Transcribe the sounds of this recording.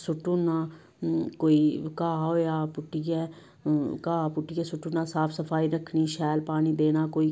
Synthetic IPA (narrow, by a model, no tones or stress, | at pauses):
sʊʈːuːnaː | koːiːkaːɦoːjaːpʊʈːijɛː | kaːpʊʈːijɛːsʊʈːuːnaːsaːpʰsəpʰaːiːɾəkʰɳiːʃɛːlpaːñiːd̪eːnaːkoːiː